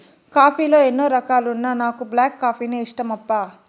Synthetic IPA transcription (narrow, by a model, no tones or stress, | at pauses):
kaːpiːlo̞ːenːoːɾɐkaːluunːanaːkublaːkːaːpiːneːiʂʈɐmɐpːaː